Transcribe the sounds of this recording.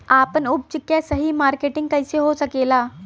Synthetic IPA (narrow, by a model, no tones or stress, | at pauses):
aːpənʊb̚t͡ʃɪkːjesɐɦimaːɾkeːʈɪ̃ŋɡ̚kɐɪseɦosɐkeːlaː